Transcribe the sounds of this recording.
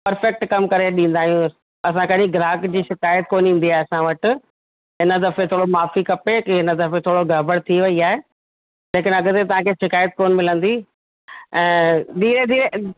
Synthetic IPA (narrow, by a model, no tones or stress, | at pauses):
pɐɾfɛk̚ʈkɐmkɐɾeɗĩːnd̪aːɦijũ | ɐs̬ãkɐɗĩɡɪɾaːkd͡ʑiːʃɪkaːjət̪̚koːnĩːn̆d̪iaːeɐsãʋɐʈʊ̆ | ɦɪnə̆d̪ɐfet̪ʰoːɽomaːfikɐpekiɦɪnəd̪ɐfet̪ʰoːɽoɡʱɐbəɽt̪ʰiʋɐiaːɦe | leːkɪnɐɡt̪et̪ɐʋ̤ãkʰeːʃɪkaːjət̪̚koːnmɪlə̃nd̪i | ɛ̃ːd̪ʱiːɾed̪iːɾe